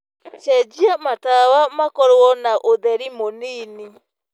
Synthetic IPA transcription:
ʃɛd͡ʒiamatawamakɔɾɔnaʔoðɛɾimoniːni

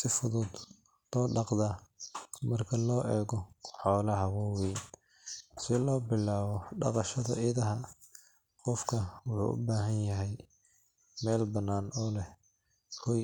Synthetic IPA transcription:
sɪfʊðuːd̪ | t̪ɔːɖɑqðɐ | mɐrkʰɐlɔːʔɛːɣɔħɔːlɐɦɐwɔwɛj | sɪlɔːbɪlːaːβɔɖɑ̰qɑʃɐðɐʔɪðɐɦɐ | qɔfkʰɐwʊħṵːʔʊ̰baːɦɐnjɐɦɛj | mɛːlbɐnːaːnɔːlɛh | kʰɔj

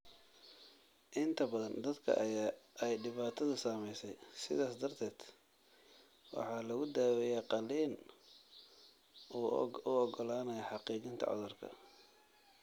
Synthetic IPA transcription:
ʔɪnt̪ʰɐbɐðɐnd̪ɐd̪kʰɐ̰ʔɐjaːʔɛjɖɪβaːt̪ʰɐðʊsamɛjsɛjsɪ̰ðaːsd̪ɐrt̪ʰɛːd̪̥ | wɑ̰ħɑːlɐɣʊd̪aːwɛjaːqɑliːn | uːʊɔɡɔlaːnɐjɐħɑqiːt͡ʃɪnt̪ʰɐ̰ʕɔ̰ðʊrkʰɐ̰

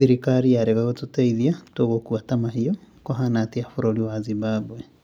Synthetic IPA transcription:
iɾikaɾiaɾeɣaɣototɛiðiatoɣokuatamaɦiokoɦanatiafoɾoɾiwazibabwɛ

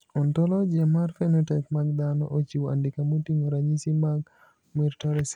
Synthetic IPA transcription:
ɔntɔlɔd͡ʒamaɾfɛnɔtɛkmaɡ̚d̪anɔ̰ʔot͡ʃiwa̰ndikamutiŋɔɾaɲisimaɡ | miɾtɔɾɛs

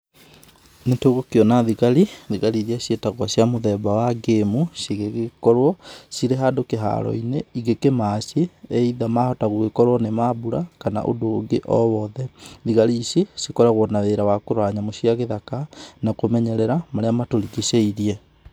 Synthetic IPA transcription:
netoɣokeɔnaðiɣaɾiðiɣaɾiɾiaɕjetaɣwaɕjamoðɛbawaɡemusiɣeɣekɔɾwɔsiɾeɦadokeɦa̰ɾɔ̰ineiɣekemaɕeeiðamahɔtaɣoɣekɔɾwɔnemabuɾakana̰ʔo̰doːɡeʔɔwɔðɛðiɣaɾiːɕjesikɔɾaɣwɔnaðeɾawakoɾoaɲamoɕiaɣeðakanakomɛɲɛɾɛɾamaɾeamatoɾiɣiɕeiɾiɛ

